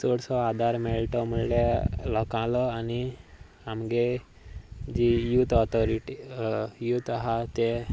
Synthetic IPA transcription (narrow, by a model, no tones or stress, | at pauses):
soɽsɔad̪ʱaɾmeɭʈɔməɭljaləkãləani | amɡe | d͡ʑijut̪ɔt̪ʰɔɾiʈijut̪ɦat̪e